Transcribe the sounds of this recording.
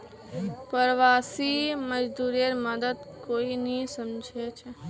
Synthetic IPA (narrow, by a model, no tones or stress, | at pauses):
pəɾʋasiməd͡ʒd̪uɾijəɾməd̪əd̪koinisəmd͡ʒʱet͡ʃʰe